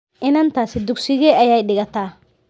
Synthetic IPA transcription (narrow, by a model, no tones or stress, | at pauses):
ʔɪnɐnt̪aːsɪd̪ʊɡsɪɣɛɐjajɗɪɣɐt̪aː